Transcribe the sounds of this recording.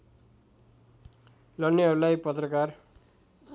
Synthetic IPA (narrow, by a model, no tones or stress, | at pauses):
lʌnːiʌɾulajpʌt̪rʌkar